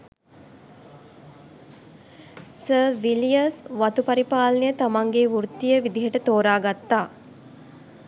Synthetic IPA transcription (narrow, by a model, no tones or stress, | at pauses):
səːʋilijɐsʋat̪upaɾipaːlɐnejət̪amaŋɡeʋuɾt̪ːijəʋid̪iɦəʈət̪oːɾaːɡat̪ːaː